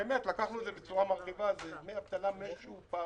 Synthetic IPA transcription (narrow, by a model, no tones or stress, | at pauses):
eemet̪lakaχnued̪zebet͡suʁamaʁχivazemeapt̪alameʃuupa